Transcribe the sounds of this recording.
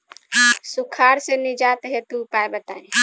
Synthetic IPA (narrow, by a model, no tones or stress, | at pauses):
sukʰaɾsẽnid͡ʒat̪ɦet̪upaebət̪aĩ